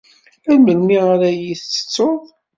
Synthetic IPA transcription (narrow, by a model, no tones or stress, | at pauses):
æɾməlmiʁaɾæjiθt͡sːə̥t͡sːoðˤ